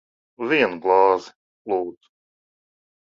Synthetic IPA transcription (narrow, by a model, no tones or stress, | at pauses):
viɛnɡlˠɑːz | lˠoːt̪